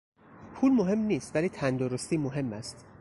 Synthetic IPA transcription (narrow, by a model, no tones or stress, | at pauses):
pʰuːlmoɦe̞mniːst̪væliːt̪ʰænd̪oɾost̪iːmoɦe̞mːæst̪